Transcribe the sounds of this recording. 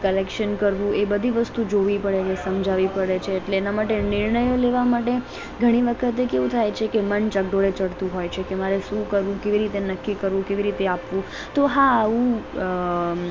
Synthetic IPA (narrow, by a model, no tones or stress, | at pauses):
kəlekʃənkəɾʋũebəd̪ʱiʋəst̪ud͡ʒoʋipəɽet͡ʃʰesəmd͡ʒʱaʋipəɽet͡ʃʰeːʈleːnamaʈenɪɾɳəjoleʋamaʈe | ɡʱəɽ̃iʋəkʰət̪ekeʋũt̪ʰajt͡ʃʰekemənt͡ʃək̚ɖoɾet͡ʃəɽt̪ũɦojt͡ʃʰekemaɾeʃũkəɾʋũkeʋiɾit̪enəkːikəɾʋũkeʋiɾit̪eapʋũ | t̪oɦaːʋũ